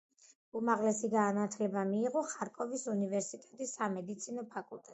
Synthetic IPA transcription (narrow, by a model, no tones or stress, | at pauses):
umaʁlɛsiɡaːnat̪ʰlɛbamiːʁɔχaɾkʼɔvisunivɛɾsit̪ʼɛ̥t̪ʼisːamɛd̪it̪sʰinɔpʰakʼulˠt̪ʼɛt̪ʼ